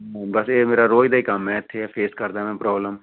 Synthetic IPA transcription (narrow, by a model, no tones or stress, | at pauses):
bəseːmeːɾaːɾoːid̪aːiːkəmːɛ̃ːɪt̪ʰːeːɛːpʰeːskəɾd̪aːmɛ̃ːpɾɔːbləm